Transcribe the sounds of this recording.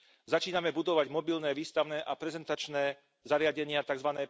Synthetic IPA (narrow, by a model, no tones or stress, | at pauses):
zat͡ʃiːnamɛbud̪ɔʋaɟmɔbilnɛːʋiːst̪aʊnɛːʔapɾɛzɛnt̪at͡ʃnɛː | zaɾɪaɟɛɲɪat̪aɡzʋanɛː